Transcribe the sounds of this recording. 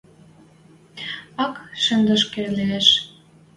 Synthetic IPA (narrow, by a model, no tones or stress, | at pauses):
ɑkʃə̆nd̪ə̆ʃkeleeʃ